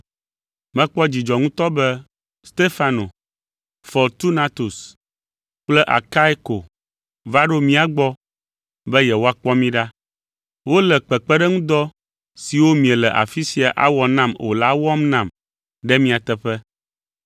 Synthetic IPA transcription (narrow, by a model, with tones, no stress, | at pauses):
mɛ̃˦k͡pɔ˦d͡ʑi˨d͡ʒɔ˨ŋũ˦t̪ɔ˦bɛ˦ | st̪e˦fa˦no˨ | fɔ˨lt̪u˦na˦t̪u˨s | k͡plɛ˦ʔa̰˨ka˦i˦ko˨ | va˦ɖo˦mĩ˦a˨ɡ͡bɔ˦ | bɛ˦jɛ˨wo˦a˨k͡pɔ˦mĩ˦ɖa˦ | wo˦lɛ˨k͡pɛ˨k͡pɛ˦ɖɛ˦ŋũ˦d̪ɔ˦ | si˨wo˦mĩ˨ɛ˨lɛ˨ʔa̰˨fi˦si˨a˨ʔa̰˦wɔ˨nã˦mo̰˨la˦wɔ˦mnã˨m | ɖɛ˦mĩ˦a˨t̪ɛ˦ɸɛ˦